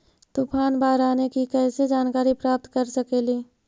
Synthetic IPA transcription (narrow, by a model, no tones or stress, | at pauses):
t̪upʰaːnbaːɾaːnekikɛːsed͡ʒaːnkaːɾipɾaːp̚t̪kɐɾsəkeːliː